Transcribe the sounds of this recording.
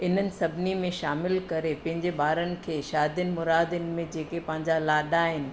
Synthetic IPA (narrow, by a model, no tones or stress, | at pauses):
ɪn̤ənɪ̆sɐbʱnimẽʃaːmɪlkɐɾepɐ̃ɦɪ̃ɲd͡ʑeɓaːɾənɪ̆kʰeːʃaːd̪jənɪ̆mʊɾaːd̪əɪnɪ̆mẽd͡ʑeːkepɐ̃ɦɪ̃ɲd͡ʑalaːɗaːɦɪnɪ̆